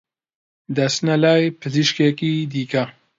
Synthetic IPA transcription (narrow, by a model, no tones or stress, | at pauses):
d̪ɐsnɐlaːjpʰɨziʃkekiːd̪iːkɐ